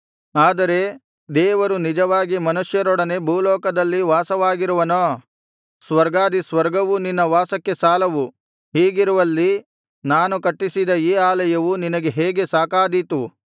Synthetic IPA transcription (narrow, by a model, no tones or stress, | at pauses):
aːd̪ɐɾe̞ | d̪ɛːʋɐɾunid͡ʒɐʋaːɡimɐnuʂjɐɾɔɽɐne̞bʱuːlɔːkɐd̪ɐlːiʋaːsɐʋaːɡiɾuʋɐno | sʋɐɾɡaːd̪isʋɐɾɡɐʋuninːɐʋaːsɐkːe̞saːlɐʋu | hiːɡiɾuʋɐlːi | naːnukɐʈːisid̪ɐiːaːlɐjɐʋuninɐɡe̞ɦeːɡe̞saːkaːd̪it̪u